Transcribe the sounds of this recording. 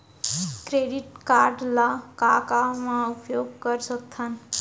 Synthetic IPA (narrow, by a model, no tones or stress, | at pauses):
kɾeɖiʈkaɾɖlakakamãupjoɡkəɾsʌk̚t̪ʰan